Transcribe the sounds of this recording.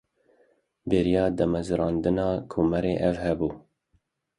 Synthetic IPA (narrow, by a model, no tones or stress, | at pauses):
beɾijɑːd̪ɛmɛzɨɾɑːnd̪ɨnɑːkʰuːmɛɾeːʔɛvhɛbuː